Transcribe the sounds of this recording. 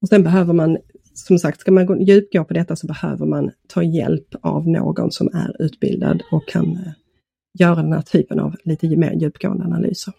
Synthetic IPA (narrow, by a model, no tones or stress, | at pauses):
ɔsɛnbɛɦøːvəɾman | sɔmsak̚t̪skaɾmanɡojʉ̟ːpɡoːpʰɔd̪ɛt̪ːasɔbɛhøːvəɾmant̪ʰɑːjɛlpʰavno̰ːɡɔ̰nsɔmæɾʉ̟ːt̪bɪld̪a̰d̪ɔkʰːan | jœːɾad̪ɛnhæːʈʰyːpəna̰vliːt̪əmeːɾjʉ̟ːpɡoːənd̪analyːsəɾ